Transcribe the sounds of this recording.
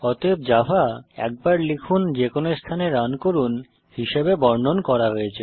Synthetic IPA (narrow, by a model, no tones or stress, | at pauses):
ɔt̪eb̚d͡ʑafaɛ̰k̚baɾlikʰund͡ʑekʰonest̪ʰaneɾankoɾun | hiʃebebɔɾnonkɔɾaɦoet͡ɕʰe